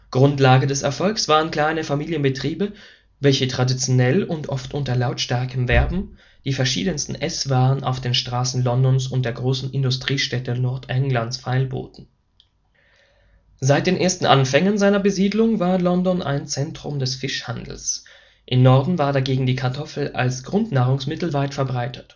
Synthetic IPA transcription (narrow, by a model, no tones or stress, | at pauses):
ɡ̥ʁʊntlaːɡədɛsɛɐfɔlksv̥aːʁənkl̥aɪnəfamiːljənbətʁ̥iːbə | vɛlçətʁ̥adit͡sjonɛlʊntʔɔftʔʊntɐlaʊtʃtaɐkəmvɛɐbm̩ | d̥iːfɛɐʃḭːdənstn̩ʔɛsv̥aːʁənʔa̰ʊfd̥eːnʃtʁ̥aːsn̩lɔndɔnsʊnt̚d̥eːɐɡʁoːsn̩ʔɪndʊstʁ̥iːʃtɛtənɔɐtʰʔɛŋlansfaɪlbo̰ːtn̩ | zaɪt̚d̥eːnʔeːɐstn̩ʔa̰nfɛŋənzaɪnɐbəziːdlʊŋvaːɐlɔndɔnʔa̰ɪnt͡sɛntʁ̥ʊ̰mdɛsfɪʃhandl̩s | ʔɪmnɔɐdn̩vaːɐdaɡeːɡŋ̩diːkʰaɐtʰɔfl̩a̰lsɡ̥ʁʊntnaːʁ̞ʊŋsmɪtl̩vaɪtfɛɐbʁaɪtʰət